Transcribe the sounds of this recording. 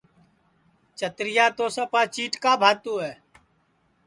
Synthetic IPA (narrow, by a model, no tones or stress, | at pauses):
t͡ʃət̪ɾɪjaːt̪oːsaːpaːt͡ʃiːʈkaːbʱaːt̪uːɦɛː